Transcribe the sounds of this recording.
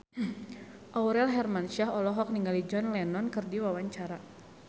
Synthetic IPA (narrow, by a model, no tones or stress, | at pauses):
ʔawɾɛlɦɛrmanʃaɦɔlɔɦɔk̚niŋalid͡ʒɔnlɛnɔnkɨrdiwawaɲt͡ʃaɾa